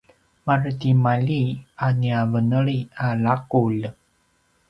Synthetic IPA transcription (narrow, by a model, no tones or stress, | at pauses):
martimalianiavənəɭialakul